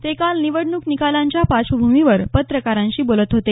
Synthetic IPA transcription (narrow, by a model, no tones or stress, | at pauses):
t̪ekalniʋəɽɳuknikalaɲt͡ɕjapat͡sʋəbʱumiʋəɾpət̪ɾəkaɾãɲt͡ɕiːbolət̪ɦot̪e